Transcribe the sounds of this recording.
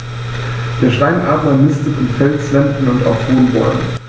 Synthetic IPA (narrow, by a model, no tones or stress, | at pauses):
d̥eːɐʃtaɪnʔaːtmɐnɪstəfɪmfɛlt͡sv̥ɛntn̩ʊnta̰ʊfhoːnbɔ̰ʏɡŋ̩